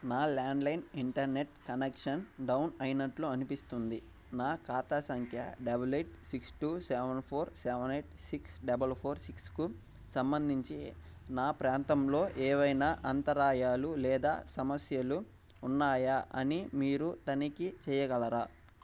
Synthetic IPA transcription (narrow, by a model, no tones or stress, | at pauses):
naːlaːɳɖlɐjniɳʈɐɾne̞ʈ̚kɐnekʂɐnɖɐwnɐjinɐʈloːɐnipist̪und̪i | naːkaːt̪aːsɐŋkʰjɐ̰ɖɐbɐleʈsiksʈuːsɛʋɐnpʰo̞ːɾsɛʋɐnejʈsiksɖɐbɐlpʰo̞ːɾsiksku | sɐmbɐnd̪ʱiɲt͡ʃi | naːpɾaːnt̪ɐmlo̞ːʔɛːʋɐjnaːʔɐnt̪ɐɾaːjaːlulɛːd̪a̰ːsɐmɐsjɐluː | nːaːjɐʔɐnimiːɾut̪ɐnikit͡ʃɛːjɐɡɐɭɐɾaː